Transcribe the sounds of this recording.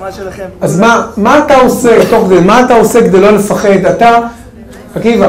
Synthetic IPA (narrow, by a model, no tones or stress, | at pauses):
azmamaːt̪aosebet̪o̞χkd̪elmaːt̪aoseked̪ejlo̞le̞faχe̞d̪at̪a | akiva